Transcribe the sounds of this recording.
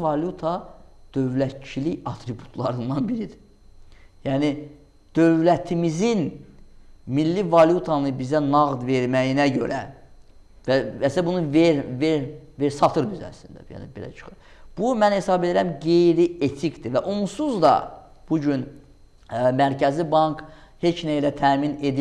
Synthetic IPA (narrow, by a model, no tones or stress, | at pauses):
vɑlut̪ʰɑd̪̥ø̞vlæt̪̚t͡ʃʰiliçɑt̪ʰɾibu̥t̪ʰlˠɑɾɯnd̪ɑnbiɾid̪i̥ | jæːni | d̪̥ø̞vlæt̪ʰimizin | milːivɑljut̪ʰɑnɯbizænɑɣd̪ve̞ɾmæjinæɟø̞̰ɾæ | vææslæbunuveɾveɾveɾsɑt̪ʰɯɾd̪yzæ̰slḭnd̪æ̰jæ̰nḭbe̞̰læ̰t͡ʃʰɯ̥χɯɾ | b̥umænhe̞sɑbe̞d̪iɾæmɡe̞jɾie̞t̪ʰikd̪ivæʔomsuzd̪ɑ̰ | b̥uɟyn | mæɾcʰæzlibɑŋk | he̞t͡ʃnæilæt̪ʰæːmine̞d̪i